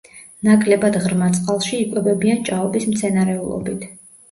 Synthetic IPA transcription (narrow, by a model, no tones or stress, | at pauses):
nakʼlɛbad̪ʁɾmat̪sʼqʼalˠʃiːkʼwɛbɛbiant͡ʃʼaɔbismt̪sʰɛnaɾɛulˠɔ̰bit̪ʰ